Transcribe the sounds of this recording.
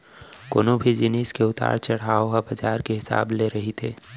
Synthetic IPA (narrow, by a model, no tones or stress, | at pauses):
ko̰ːnõbʱid͡ʒɪniːskeʊt̪a̰ːɾt͡ʃɐɽ̤aːoɦabɐd͡ʒaːɾkeɦɪsa̰ːbleɾɐɦit̪ʰeː